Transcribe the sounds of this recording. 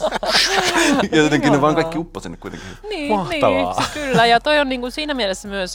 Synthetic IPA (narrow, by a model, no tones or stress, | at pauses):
oot̪eŋkinneʋɑːŋkɑikːiupːɑsinːekuit̪ḛŋkiniːɑhntiːɑʋkylːæjɑt̪oionniːŋkunsiːnæmielesːæmyøs